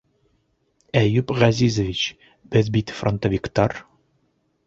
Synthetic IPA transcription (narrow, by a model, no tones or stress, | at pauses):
æjʉpʁæzizəvʲit͡ɕ | b̥ɘðbit̪front̪ovʲikt̪ɑr